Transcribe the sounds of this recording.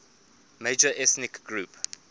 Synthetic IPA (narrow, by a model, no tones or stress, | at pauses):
meɪd͡ʒəʔɛθnɪkɡɹup